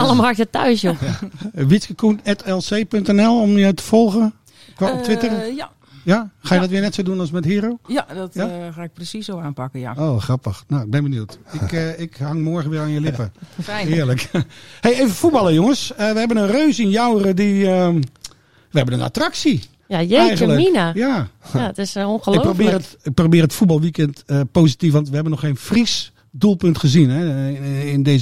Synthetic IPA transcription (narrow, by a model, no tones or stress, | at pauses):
alˠəmakətœ̰ɥsjo | ʋiskəkʰunɛtɛlˠseːpøŋk̚tɛnɛlˠomjəwtə̥fɔlˠɣən | kʋaɔptʋɪtər | jaxajədɔtʋɪənɛtsoːdunalˠsmɛthiːɾoːdɔtjaxaɪk̚prəsisowaːnpakəja̰oːxrapəxnoɪɡ̚bɛnbənjuːtɪkɪkhaŋmɔːɹɣəʋɪəaːnjəlɪpəhɪəɹləkheeːvəfubɑlˠəjʊŋəsəʋəhɛbənənrøːsɪnjawərədiə | ʋəhɛbənəna̰traksi | jajeɛjxəələminajaaətɪsoxəlprobɪːrətɪk̚probɪːɾəətfutbɑlˠʋikɛntəpoːsitif̬ʋɑntʋəɦɛbənːɔxeːnfris | dulˠpøntxəzinɛɪndez